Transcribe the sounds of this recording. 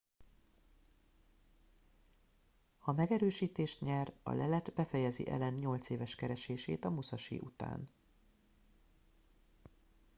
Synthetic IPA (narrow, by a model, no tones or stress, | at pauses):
hɒmɛɡɛɾøːʃiːt̪eːʃt̪ɲɛrɒ̰lɛlɛt̪bɛfɛjɛzḭʔɛ̰lɛnɲo̞lt̪seːvɛʃkɛɾɛʃeːʃeːt̪ɒmusɒʃḭːʔut̪a̰ːn